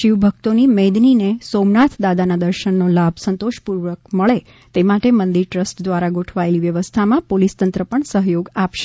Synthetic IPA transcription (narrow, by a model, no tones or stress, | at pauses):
ʃiʋbʱək̚t̪onimɛ̃d̪ninesomnat̪ʰd̪ad̪anad̪əɾʃəɳːolabʱsənt̪oʃpuɾʋək̚məɭe | t̪emaʈemənd̪iɾʈɾəsʈd̪ʋaɾaɡoʈʰʋaeliʋjəʋəst̪ʰamãpolist̪ənt̪ɾəpəɳsəɦjoɡapʃe̥